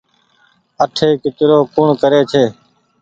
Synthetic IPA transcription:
əʈʰeːkɪt͡ʃɾoːkuːɳkəɾeːt͡ʃʰeː

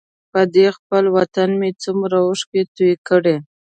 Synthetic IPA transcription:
pəd̪expəlwat̪anmet͡sumɾawʊʂket̪ujkəɽe

